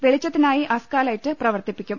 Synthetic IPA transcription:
ʋeɭit͡ɕːɐt̪ːinaːjiʔɐskaːlaːjitːɨprɐʋɐrt̪ipːikʲːum

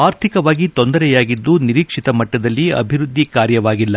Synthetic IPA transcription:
aːɾt̪ʰikɐʋaːɡit̪ond̪ɐɾɛjaːɡid̪ːuniɾiːkʂit̪ɐmɐʈːɐd̪ɐlːiɐ̰bʱiɾud̪ʱːikaːɾjɐʋaːɡilːɐ

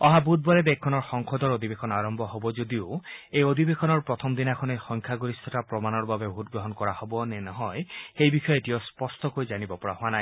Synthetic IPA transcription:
ɔɦabut̪̚bɔɾed̪ekʰːɔnɔɹxɔŋkʰɔd̪ɔɹod̪ʱibekʰɔnaɹɔmbʱɔɦobɔd͡ʒod̪ioejod̪ʱibekʰɔnɔɹpɹɔt̪ʰɔmd̪inakʰɔnexɔŋkʰaɡuɾist̪ʰɔtapɹɔmanɔɹbabebʱut̚ɡɹɔɦɔnkɔɹahobɔnenɔɦɔjxejbikʰɔjɔetiɔspɔstʰɔkojd͡ʒanibɔpɔɹa̰ɦoanaj

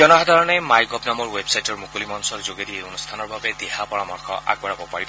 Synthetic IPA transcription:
ɔnɔɦad̪ʱaɹɔnɛmajɡɔbnamɔɹwebsajtɔɹmukulimɔnsɔɹzoɡedieonust̪ʰanɔɹbabɛd̪eɦapɔɹamɔɹkʰɔ̰ʔa̰ɡ̚bɔɹabɔpaɹibɔ

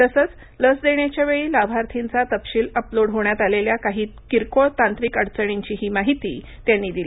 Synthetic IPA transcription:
t̪əsət͡s | ləsd̪eɳjat͡ɕjaʋeɭiːlabʱaɾt̪ʰint͡sat̪əpɕiːləploɽɦoɳjat̪aleljakaɦiːkiɾkot̪ant̪ɾiːkəɽt͡səɽ̃iɲt͡ɕiːɦiːmaɦit̪ḭː | t̪janːiːd̪il

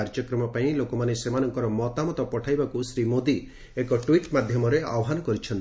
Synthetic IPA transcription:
aɾd͡ʒɔkɾɔmɔpaĩlokɔmanesemanɔŋkɔɾɔmɔt̪amɔt̪ɔpɔʈʰajbakusɾimod̪i | ekɔʈwiʈmad̪ʱjɔmɔɾea̰wɔɦanɔkɔɾit͡ʃʰɔnt̪

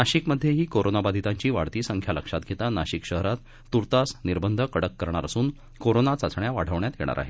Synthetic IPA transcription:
naɕikməd̪ʱːjeɦiːkoɾonabad̪ʱit̪aɲt͡ɕiːʋaɽt̪iːsəŋkʰjaləkʂat̪ɡʱet̪anaɕikɕəɦɾat̪ː | uɾt̪asniɾbənd̪ʱəkəɽəkːəɾɳ̃aɾasuːn | koɾonat͡sat͡sɳjaʋaɽ̤ʱəʋɳjat̪jḛɽ̃a̰ɾʔa̰ɦe

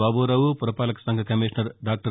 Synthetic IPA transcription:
aːbuːɾɐʋupuɾɐpaːlɐkɐ̥sɐŋɡʱɐkɐmiːʂnɐɾɖaːk̚ʈɐ

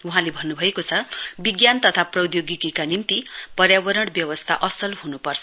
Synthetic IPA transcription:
uɦãlebʱʌnːubʱʌekot͡sʰʌbiɡjant̪ʌt̪ʰaprʌwd̪joɡikikanimt̪ipʌrjabʌɾʌɽbjʌwʌst̪ʰa̰ʔʌsʌlhunupʌrt͡sʰʌ

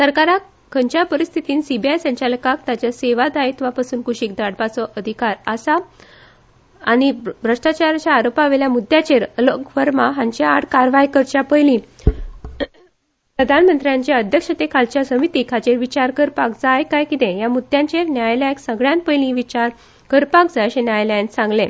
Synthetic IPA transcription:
səɾkaɾa | kʰəɲt͡ɕjapəɾist̪ʰit̪iːnsibiajsjaɲt͡ɕjaləkak̚t̪at͡ɕjaseʋad̪ajt̪ʋapasuːnkuɕiːk̚d̪aɽbat͡sɔʔəd̪ʱikaɾəsa | ñibɾəʂʈat͡ɕaɾat͡ɕjaːɾopaʋeljamud̪ʱːjat͡ɕeɾəlokfəɾmaɦãɲt͡ɕjaaɽkaɾʋajkəɾt͡ɕjapəjlĩ | pɾəd̪ʱanmənt̪ɾjãɲt͡ɕaəd̪ʱjəkʂət̪ekʰalt͡ɕjasəmit̪iːkʰat͡ɕeɾʋit͡ɕaɾkəɾpakd͡zajkajkit̪ẽjamud̪ʱjãɲt͡ɕeɾnjajlajksəɡɭjãnt̪̚pəjlĩʋit͡ɕaɾ | kəɾpak̚d͡zajɕenjajlansãŋɡlẽ

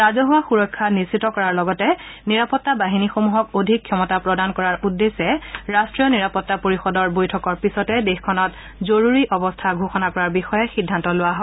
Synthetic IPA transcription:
ɹazɔɦʊwaxuɹɔkʰːanisitɔkɔɹaɹlɔɡɔtɛ | niɹapɔtːabaɦinixomuɦɔkodʱikʰːjɔmɔtapɹɔdankɔɹaɹʔudːesɛɹastɹijɔniɹapɔtːapoɹixɔdɔɹbojtʰɔkɔɹpisɔtɛdexkʰɔnɔt | zoɹuɹiʔɔbɔstʰaɡʱoxɔnakɔɹaɹbixɔjɛxidʱːantɔlʊwaɦɔɪ

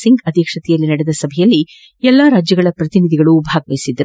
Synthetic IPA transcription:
siŋɡɐd̪ʱjekʂɐt̪ɛjɐlːinɐɽɛd̪ɐsɐbʱɛjɐlːi | ɛlːɐɾaːd͡ʒjɐɡɐɭɐpɾɐt̪inid̪ʱiɡɐɭubʱaːɡʋɐjisid̪ɐɾu

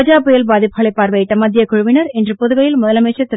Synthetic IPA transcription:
d͡ʒaːpːɯjɐlbaːðɪpːɯɐɭɐɪpːaːɾʋɐjɪʈːɐmɐd̪ːjɐkʊɻʊʋɪnɐɾɛndrɯpɔðɯɣɐjɪlmʊðɐlɐmeːʈt͡ʃːɐt̪ːɪ

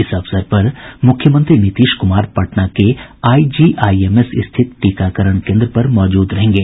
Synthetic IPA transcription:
ɪsɐfsəɾpɐɾmʊkʰjəmə̃nt̪ɾinɪt̪iːʃkʊmaːɾpɐʈnakeaːid͡ʒiːʔaːieːmesɪ̰st̪ʰɪt̪ʈiːkakəɾəɽ̃kẽːnd̪ɾəpɐɾmɔːd͡ʒuːd̪ɾɐɦẽːŋ̆ɡeː

